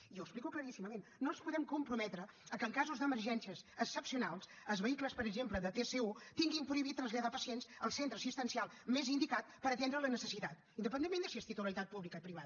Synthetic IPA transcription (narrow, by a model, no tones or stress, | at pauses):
ioəksplikukləɾisiməmennːonspuðɛmkumpɾumɛt̪ɾəəkəŋkazuzðəməɾʒɛnsiəzəksəpsiunalˠs | əzβəikləspəɾəɡzempləðət̪eseut̪iŋɡimpɾuiβ̞it̪t̪ːɾənzʎaðapəsiensəlˠsent̪ɾəsist̪ənsialˠ | mezind̪ikat̪̚pəɾət̪end̪ɾələnəsəsit̪at̪ind̪əp̬ənd̪emːend̪əsiəst̪it̪uləlit̪at̪̚puβlikəipɾiβaðə